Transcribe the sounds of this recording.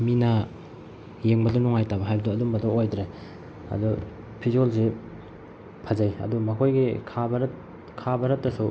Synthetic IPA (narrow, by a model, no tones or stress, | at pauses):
minɐ | jeŋbɐdɐnɔŋajtabɐɦajbɐduɐdumbɐdɐojdɾe | ɐ̰du | pʰizolze | pʰazajɐ̰dumakʰojɡikʰabɐɾt | kʰabɐɾɐtːɐsu